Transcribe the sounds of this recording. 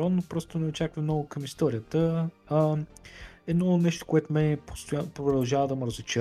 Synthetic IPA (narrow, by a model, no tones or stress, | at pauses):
ɔnːopɾɔst̪onɛot͡ʃakvɐmnɔɡʊkɐmist̪ɔɾʲijət̪əː | ɛd̪nɔnɛʃt̪o̥koɛt̪omɛpo̥st̪ojapɾod̪ɐlˠʒavəd̪ɐməɾəzɪt͡ʃɛ